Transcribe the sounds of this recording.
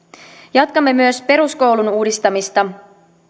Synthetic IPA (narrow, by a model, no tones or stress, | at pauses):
jɑt̪kɑmːe̞myøspe̞ɾusko̞wlunuːdist̪ɑmist̪ɑ